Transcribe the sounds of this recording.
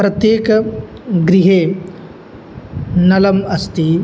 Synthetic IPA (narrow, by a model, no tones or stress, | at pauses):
pɾɐt̪jeːk | ɡɾiɦeː | nɐlɐmɐst̪i